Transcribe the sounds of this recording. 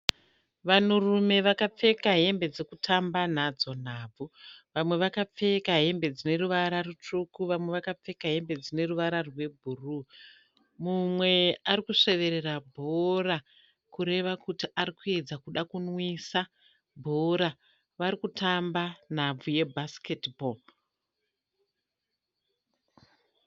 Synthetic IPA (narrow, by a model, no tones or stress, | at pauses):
ʋanurume̞ʋakap͡fe̞kaɦe̞mbe̞d͡ze̞kutʰamban̤ad͡zo̞n̤aːb͡vuʋamwe̞ʋakap͡fe̞kaɦe̞mbe̞d͡zine̞ɾuʋaɾarut͡ʂukuʋamwe̞ʋakap͡fe̞kaɦe̞mbe̞d͡zine̞ruʋaɾarwe̞bʱuruː | mumwe̞aɾikuʂe̞ʋe̞ɾerabʱora | kuɾe̞ʋakutiʔaɾikue̞d͡zakuɗakunwisa | bʱoɾa | ʋaɾikutʰamban̤ab͡vuje̞bʱasketbo